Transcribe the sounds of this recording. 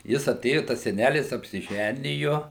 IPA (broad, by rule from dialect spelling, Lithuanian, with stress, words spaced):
ˈjɪs ɐˈtʲeːjʊ ˈtɐs sʲɛˈnʲælʲɪs ɐpʲsʲɪˈʒʲænʲɪjʊ